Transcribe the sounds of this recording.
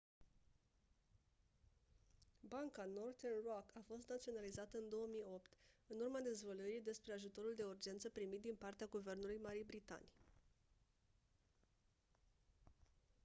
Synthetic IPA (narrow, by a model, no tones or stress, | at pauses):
baŋkano̞rt̪ernrokʰafo̞st̪nat̪sio̞nalizat̪əɨnd̪o̞wəmijo̞pt̪ɨnurmad̪e̞zvəluɾijd̪e̞spɾe̞aʒut̪o̞ɾuld̪e̞urd͡ʒe̞nt̪səpɾimit̪d̪inpart̪eaɡuve̞rnulujmaɾijbɾit̪a̰nij